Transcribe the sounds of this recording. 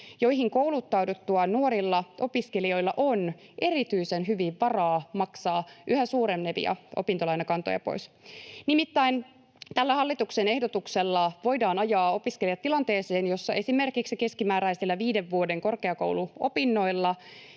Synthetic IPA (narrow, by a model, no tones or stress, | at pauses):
jo̞jɦiŋko̞wlut̪ːɑwdot̪ːuɑnuoɾilːɑʔo̞piske̞lio̞ilːɑʔo̞nʔe̞ɾit̪yisenɦyʋiʋʋɑrɑːmɑksɑːʔyhæsuːɾemneʋḭjɑ̰o̞̰pint̪olɑjnɑkɑnt̪o̰jɑ̰po̞̰is | nimit̪ːæin | t̪ælːæhɑlːit̪uksene̞hdo̞t̪ukselːɑʋo̞jdɑːnɑjɑːo̞piskelijɑt̪ːilɑnt̪e̞ːseːnjo̞sːɑʔe̞sime̞rkiksike̞skimæːɾæisilːæʋiːde̞ʋːuode̞ŋko̞rke̞ɑko̞̰wluo̞pinːo̞ilːɑ